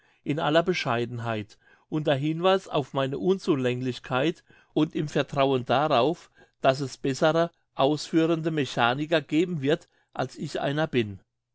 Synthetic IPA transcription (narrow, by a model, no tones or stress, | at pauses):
ʔɪnʔa̰lɐbəʃaɪdn̩ɦaɪt | ʔʊntdeɐɦɪnvaɪsa̰ʊfmaɪnəʔʊnt͡suːlɛŋlɪçkʰaɪt | ʔʊntɪmfɛɐtʁ̥aʊəndaʁaʊf | d̥asɛsb̥ɛsəʁə | ʔaʊsfyːʁ̞əndəmeçaːnɪkɐɡ̥eːbm̩vɪɐt | ʔalsɪçʔa̰ɪnɐbɪn